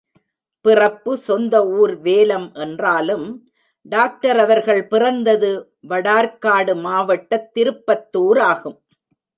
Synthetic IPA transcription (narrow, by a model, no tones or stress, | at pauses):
pɪrɐpːɯsɔnd̪ɐuːɾʋeːlɐmʔɛndraːlɯm | ɖaːk̚ʈɐɾɐʋɐɾɣɐɭpɪrɐnd̪ɐðɯ | ʋɐɽaːɾkaːɽɯmaːʋɐʈːɐt̪ːɪɾɯpːɐt̪ːuːɾaːɣɯm